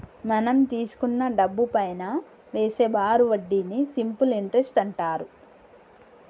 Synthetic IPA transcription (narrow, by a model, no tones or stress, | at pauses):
mɐnɐmt̪iːsu̥kunːɐɖɐbːupɐjnaː | ʋeːseːbaːɾuʋɐɖːinisimpuliɳʈɾesʈɐɳʈaːɾu